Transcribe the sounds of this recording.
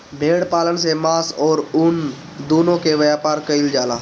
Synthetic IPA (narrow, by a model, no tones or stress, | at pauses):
bʱeːɽpaːlənsemaːsɔːɾʊn | d̪uːnõkeʋəjaːpaːɾkəɪld͡ʒaːlaː